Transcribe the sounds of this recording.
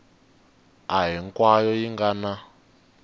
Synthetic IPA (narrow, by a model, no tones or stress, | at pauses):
aɦiŋkwajɔjiŋɡana